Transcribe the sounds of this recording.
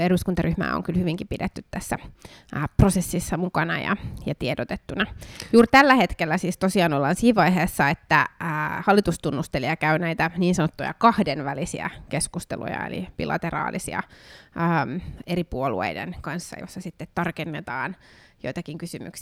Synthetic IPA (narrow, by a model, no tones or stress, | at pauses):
eduskunt̪ɑryhmæ̰ːo̰ŋkylhyʋiŋkipidet̪ːyt̪t̪æsːæ | prosesːisːɑmukɑnɑjɑ̰jɑt̪iedot̪et̪ːunɑjuːrt̪ælːæhet̪kelːæsiːst̪osiɑːnolːɑːnsiːʋʋɑiɦeːsːɑet̪ːæːhɑlːit̪ust̪unːust̪eliɑkæynæit̪æniːnsɑnot̪ːujɑ̰kɑhdenʋælisiæ̰keskust̪ḛlṵjɑ̰ḛlḭb̥ḭlɑ̰t̪erɑ̰ːlisḭɑ̰əːmeripuolṵḛidḛnkɑnsːɑ̰josːɑsit̪ːet̪tɑrkenːet̪ɑːnjoit̪ɑkiŋkysymy̰ks